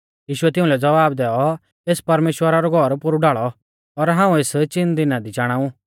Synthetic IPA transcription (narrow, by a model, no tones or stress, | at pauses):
jiːʃʊɛt̪ɪ̃ʊ̃lɛd͡zɐʋaːbd̪ɛːɔ | eːspɐɾmeːʃwəɾaɾɔɡʱɔɾpʊɾuɖaːɭɔ | ɔɾɦãːũeːst͡ʃɪnd̪ɪnad̪it͡ʃaːɽ̃ãːu